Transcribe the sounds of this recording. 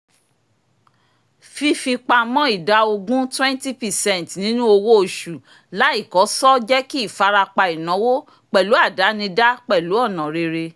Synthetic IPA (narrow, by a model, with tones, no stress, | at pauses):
fi˧fi˧k͡pa˧mɔ̃˦i˦˨da˨˦o˧ɡũ˦twɛ̃˦nti˦pɛ˨sɛ̃˦˨n˨tnĩ˨˦nũ˦o˧wo˦o˨ʃu˨ | la˨˦i˦˨kɔ˨˦sɔ˦d͡ʒɛ˦ki˦i˦˨fa˧ɾa˧k͡pa˧i˨nã˨˦wo˦ | k͡pɛ˨lu˨˦a˦˨da˨˦nĩ˧da˦k͡pɛ˦˨lu˨˦ɔ˦˨nã˨ɾe˧ɾe˧